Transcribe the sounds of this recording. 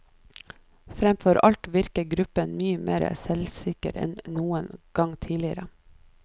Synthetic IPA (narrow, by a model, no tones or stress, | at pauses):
fɾɛmfɔɾʔɑlt̪ʋɪɾkəɡɾʉpənmyːəmʔḛːɾə̰sɛlsɪkə̰ɾɛ̰nnuːənɡ̥ɑŋt̪ʰiːlɪəɾə